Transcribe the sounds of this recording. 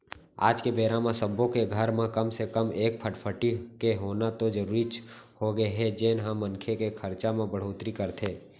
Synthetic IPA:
a̰ːd͡ʒkebeːɾãmãsəbõkeɡʱəɾmẽkəmsekəmeːk̚pʰəʈpʰəʈikeɦoːnat̪od͡ʒəɾuːɾit͡ʃhoɡəeɦɛd͡ʒeːnɦəmːənkʰekekʰəɾt͡ʃamẽbəɽ̤oːt̪ɾikəɾt̪ʰeː

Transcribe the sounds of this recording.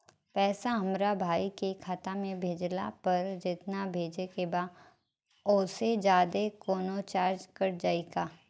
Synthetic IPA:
pɛːsaɦɐmɾabʱaːikekʰaːt̪amẽbʱeːd͡ʒla̰pɐɾd͡ʒɪt̪nabʱeːd͡ʒekebaː | ʊːsed͡ʒaːd̪ekoːnot͡ʃaːɾd͡ʒkɐɾd͡ʒaːeɡaː

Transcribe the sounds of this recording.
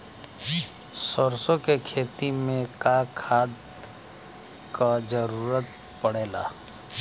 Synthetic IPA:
sɔɾsõkekʰeːt̪imẽkakʰaːd̪ | kad͡ʒəɾuːɾət̪ | pəɽ̤eːla̰ː

